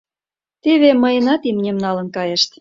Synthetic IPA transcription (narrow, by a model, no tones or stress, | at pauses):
t̪eβeməjənɑt̪imnʲemnɑlə̆nkɑjeʃt̪